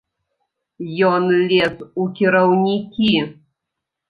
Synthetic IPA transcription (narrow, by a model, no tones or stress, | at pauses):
jɔnlʲɛsukʲiɾɐwnʲikʲi